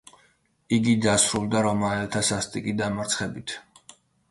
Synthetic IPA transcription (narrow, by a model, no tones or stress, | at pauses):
iɡid̪asɾulˠd̪aɾɔmaɛlt̪ʰasast̪ʼikʼid̪amaɾt̪sʰχɛbit̪ʰ